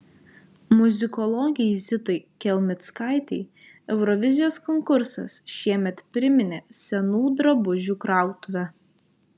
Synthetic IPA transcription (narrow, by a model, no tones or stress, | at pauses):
mʊzʲɪkɔlˠɔɡʲɪzʲɪt̪ɐɪkʲɛlʲmʲɪt̪skɑˑɪt̪ʲɛɪ | ɛʊɾɔʋʲɪzʲɪjoːskɔŋkʊɾsɐ̰sʃʲiɛmʲɛt̪pʲɾʲɪmʲɪnʲeːsʲɛnuːd̪ɾɐbʊʒʲuːkɾɑˑʊt̪ʊʋʲæ